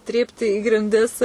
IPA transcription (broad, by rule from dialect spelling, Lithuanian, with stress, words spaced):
ˈtʲrʲiːpʲtʲɪ iː ɡrʲɪnʲˈdʲɪs